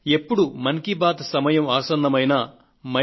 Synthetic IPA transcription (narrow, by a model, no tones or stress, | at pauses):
e̞pːuɽumɐŋkibaːd̪sɐmɐjɐmaːsɐnd̪ɐmɐjnɐ | mɐ